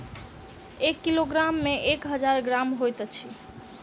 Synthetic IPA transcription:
ekːiloɡɾamːẽʔekɦəd͡ʒaɾɡɾamɦojt̪t͡ʃʰi

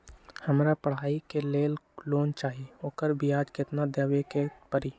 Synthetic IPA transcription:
həmɾapəɽ̤aːikeleːlloːnt͡ʃaːɦieoːkəɾbʱiaːd͡ʒkɪt̪nad̪əːwekepəɾiː

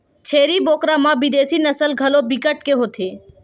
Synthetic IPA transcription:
t͡ʃʰeːɾiboːkɾamãbɪd̪eːsinəsəlɡʱɐlobɪkəʈkeɦoːt̪ʰeː

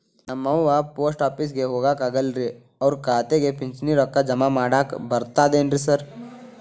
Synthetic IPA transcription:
ɐmɐ̃ʋapoːsʈaːpis̬ɡeɦoːɡakɐɡəlɾi | ɔːɾkaːt̪eɡepɪ̃nt͡ʃniɾɔkːad͡ʒɐmamaːɽaːkbɐɾt̪ad̪ẽːnɖɾisɐɾ

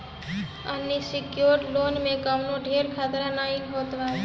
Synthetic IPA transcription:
ənːisɪkjoːɾʈloːnmẽkəmnoɖʱeːɾkʰat̪ɾanaːikɦoːt̪ʋaː

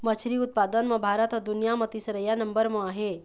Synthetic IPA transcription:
mət͡ʃʰɾiʊt̪̚pad̪ənmɐ̃bʱaɾət̪əd̪unijamət̪isɾəjanɐmbəɾmɐ̃aɦe

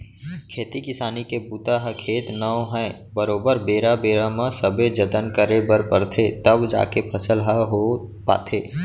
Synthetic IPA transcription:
kʰeːt̪ikɪsaːnikebuːt̪aɦəkʰeːt̪nəõɦɛ̃ | bəɾoːbəɾbeːɾabeːɾamə̃səbed͡ʒət̪ənkəɾebəɾpəɾt̪ʰet̪əbd͡ʒa̰ːkepʰəsəlɦəɦopa̰ːt̪ʰeː

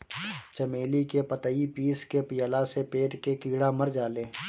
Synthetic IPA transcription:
t͡ʃəmeːlikepət̪əipiːskepɪjəlasepeːʈkekiːɽaməɾd͡ʒaːlẽː

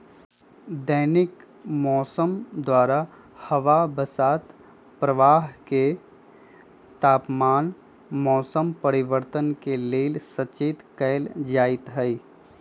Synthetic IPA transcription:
d̪əːnɪk | mɔːsəmd̪waːɾa | hɐʋabəsaːt̪ | pɾəʋaːɦke | t̪aːpmaːn | mɔːsəmpəɾɪʋəɾt̪ənkeleːlsət͡ʃeːt̪kɛɪld͡ʒaːɪt̪ɦəi

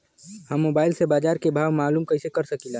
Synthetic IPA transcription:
həmːoːbaːɪlsebaːd͡ʒaːɾkebʱaːʋmaːluːmkəisekəɾsəkila

